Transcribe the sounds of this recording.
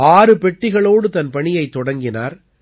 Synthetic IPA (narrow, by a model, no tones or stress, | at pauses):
aːɾɯpɛʈːɪɣɐɭoːɽɯt̪ɐnpɐɳɪjɐɪt̪ːɔɽɐŋɡɪna̰ːɾ